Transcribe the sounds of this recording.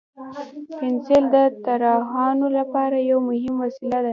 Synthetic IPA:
pɪnseld̪ət̪aɾɑhɑnolapɑɾajawmʊhɪmwasilad̪a

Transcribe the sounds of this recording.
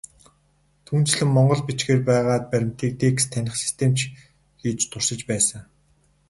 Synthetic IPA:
t̪ʰuːnt͡ɕɮɘ̆mːɔɴɢɞ̆ɮpit͡ɕɡeːrpæːʁaːt̪̚pæɾʲɪ̆m̥t̪ʰeːk̚t̪eːkst̪ʰænʲɪ̆χsi̥st̪ʰemt͡ɕʰ | ɡiːt͡ɕt̪ʰʊrsɪ̆t͡ɕpæːsə̆ŋ

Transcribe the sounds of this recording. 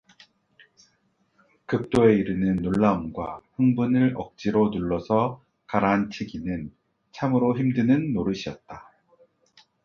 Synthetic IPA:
kɯk̚t͈oe̞iɾɯnɯnːoɭːaumɡwa̰ɸɯŋbunɯɾʌk̚t͡ɕ͈iɾonuɭːʌsʰʌ | kaɾant͡ɕʰiɡinɯn | t͡ɕʰamɯɾoçimdɯnɯnːoɾɯɕʰiʌt̚t͈a

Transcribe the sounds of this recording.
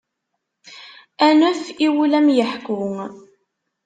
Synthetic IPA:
ænəfiwlæmjəħkʊŋ

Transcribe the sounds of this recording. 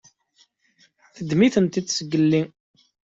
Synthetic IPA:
θəd̪miθənt̪id̪səɡːəlːi

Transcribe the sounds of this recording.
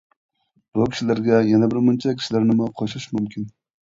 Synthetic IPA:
b̥ʊkʲi̥ʃɪlaɾɡʲɛjɛnabɪɾmʊnt͡ʃʰakʲʰi̥ʃilaɾnɪmʊqʰoʃɾɪʃmʊmkʲʰɪn

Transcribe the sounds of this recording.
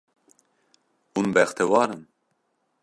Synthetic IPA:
hunbɛxt̪ɛwɑːɾɨn

